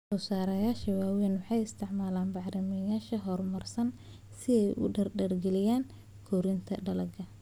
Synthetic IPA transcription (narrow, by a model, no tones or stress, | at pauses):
sɔːsaːɾɐjaːʃɐwaːwɛːnwʊħɑjɪst̪ʰɪʕmaːlaːnbɑʕɾɪmɐjaːʃɐɦɔrmɐrsɐn | sɪɛjʔʊ̰ɖɐrɖɐrɡɛlɪjaːn | kʰɔːɾɪnt̪ʰɐɖɐlɐɡɐ